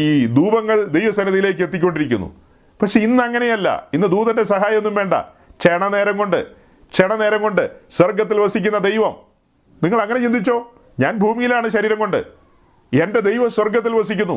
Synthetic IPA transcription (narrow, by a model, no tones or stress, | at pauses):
iːd̪uːbɐŋːɐɭd̪e̞jʋɐsɐnɐðijile̞ːk̬ːɨet̪ːik̬ʲːo̞ɳɖiɾik̬ʲːunːṵ | pɐkʂe̞inːɨɐŋːɐnejɐlːɐ̰inːɨd̪uːðɐnde̞s̬ɐɦaːjɐmenːumʋe̞ːɳɖɐ̰ | t͡ɕeɳɐne̞ːɾɐŋko̞ɳɖɨ̰ | t͡ɕeɳɐneːɾɐmko̞ɳɖɨswɐrɡɐt̪̬ːilʋɐsikʲːunːɐd̪e̞jʋɐm | niŋːɐɭɐŋːɐne̞t͡ɕind̪it͡ɕːo̞ː | ɲaːnbʱuːmijilaːɳɨɕɐɾiːɾɐmko̞ɳɖɨ̰ | e̞nde̞d̪e̞jʋɐswɐrɡɐt̪ːilʋɐs̬ikʲːunːṵ